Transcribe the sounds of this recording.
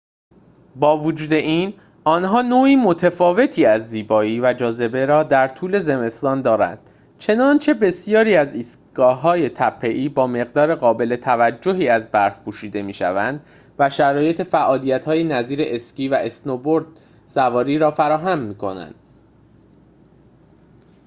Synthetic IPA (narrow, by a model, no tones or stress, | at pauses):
bɒːvod͡ʒuːd̪e̞ʔiːn | ɒːnɦɒːnoːiːmo̞t̪ʰefɒːve̞t̪ʰiːæzːiːbɒːiːvæd͡ʒɒːze̞be̞ɾɒːd̪æɾt̪ʰuːle̞ze̞me̞st̪ɒːnd̪ɒːɾæ̰nd̪̥ | t͡ʃʰe̞nɒnt͡ʃʰe̞be̞sijɒːɾiːæziːst̪ɡ̥ɒːɦɒːje̞t̪ʰæpʰːe̞ʔiːbɒːme̞ɣd̪ɒːɾe̞ɣɒːbe̞le̞t̪ʰævæd͡ʒːo̞ɦiːæzbæɾfpʰuːʃiːd̪e̞miːʃæ̰vænd̪ | væʃæɾɒːje̞t̪ʰe̞fæʔɒːlijæt̪hɒːje̞næziːɾe̞ʔesciːvæʔesnoboɾd̪̥̚ | sævɒːɾiːɾɒːfæɾɒːɦæmːiːkʰo̞næ̰nd̪̥